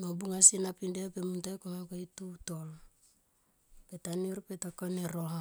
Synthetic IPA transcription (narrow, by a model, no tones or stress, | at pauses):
nobuŋasinapindepemuntakomekoitutol | petaniɾpetakoneɾoɦa